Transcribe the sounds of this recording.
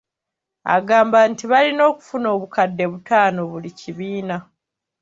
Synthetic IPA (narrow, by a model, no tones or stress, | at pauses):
a̰ɡaːmbantiβalino̞ːku̥funo̞ːβukadːe̞βutaːno̞βuliciβiːna